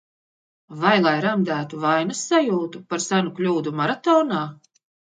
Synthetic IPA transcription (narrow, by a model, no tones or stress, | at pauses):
vajlˠajɾamd̪æːt̪uvajnasːajuːt̪upaɾsanuklʲuːd̪umaɾat̪ɔːnaː